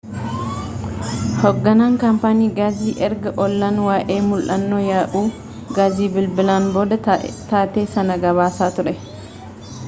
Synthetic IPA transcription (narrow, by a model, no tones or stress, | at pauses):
hɔɡːɐnaːŋkɐmpaːniːɡaːziːʔɛɾɡɐʔɔlːɐnwaːʔe̞ːmʊlʔɐnːoːjaːʔuː | ɡaːziːbɪlbɪlaːnbo̞ːd̪ɐt̪aːt̪e̞ːsɐnɐɡɐβaːsaːt̪ʊɾɛ